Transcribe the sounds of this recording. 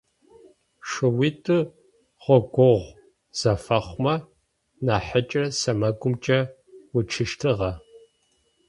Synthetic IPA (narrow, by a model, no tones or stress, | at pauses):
ʂɨwitʰʼɨ | ʁʷɔɡʷɔʁʷ | z̥ɐfɐχʷmɐ | naːħət͡ʃʼɐsɐmɐɡʷʼʊmt͡ʃʼɐ | wʊt͡ʃʰɨʃtʰɨʁɐ